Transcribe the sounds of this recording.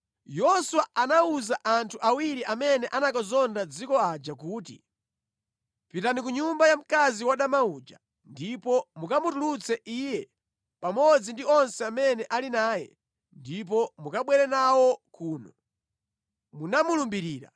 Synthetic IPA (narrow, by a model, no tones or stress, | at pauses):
jɔsuwaanauzaʔantʰuʔawiɾiʔamɛnɛʔanakazɔndad͡zikɔad͡ʒakuːtḭ | pitanikuɲumbajam̩kaziwaɗamauːd͡ʒa̰ | ndipɔmukamutulut͡sɛʔiːjɛ | pamɔd͡zindiɔnsɛamɛnɛʔalinaːjɛ̰ | ndip̬ɔmukaɓwɛɾɛnawɔkuːnɔ | munamulumbiɾiːɾa̰